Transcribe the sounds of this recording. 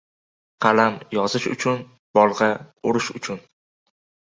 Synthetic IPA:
qʰɑlamjɒzɪʃʊ̰t͡ʃʰʊn | b̥ɒlˠʁɑʊɾɪʃʊt͡ʃʰʊn

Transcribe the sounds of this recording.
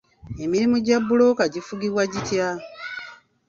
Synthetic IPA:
e̞miɾimuɟabːulo̞kaɟifuɡiβwaɟitja

